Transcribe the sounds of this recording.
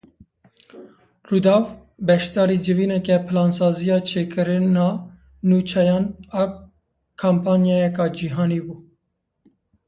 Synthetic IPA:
rud̪ɑːv | bɛʃt̪ɑːɾid͡ʒɨviːnɛkɛpʰɨlɑːnsɑːzijɑːt͡ʃʰeːkɨɾɨnɑː | nuːt͡ʃʰɛjɑːnɑ | kʰampʰɑːnjɑːjɛkɑːd͡ʒiɦɑːniːbuː

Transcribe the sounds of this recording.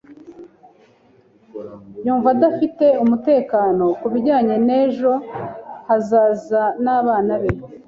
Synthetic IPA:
juːɱvadafite̞umute̞ːkaːno̞kuβiɟaːɲe̞ne̞ːʒo̞hazaːzanaːβaːnaβe

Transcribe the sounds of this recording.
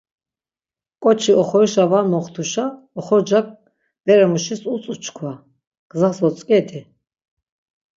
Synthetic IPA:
kʼɔt͡ʃʰiɔχɔɾiʃavamɔχt̪ʰuʃa | ɔχɔd͡ʒak̚ | d̪̥ɛɾɛmuʃisut͡sʼut͡ʃʰkʰwa | ɡ̥zasɔt͡sʼkʼɛt̪ʰɛ

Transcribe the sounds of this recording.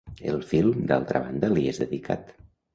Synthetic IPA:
ḛlˠfilˠmd̪a̰lˠt̪ɾəβand̪əliezðəðikʰa̰t̪

